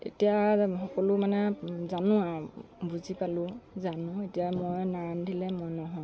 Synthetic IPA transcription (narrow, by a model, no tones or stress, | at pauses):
ḛtijaxɔkɔlʊmanɛzanʊabuzipalʊzanʊetijamojnandʱilɛmɔjnɔɦɔj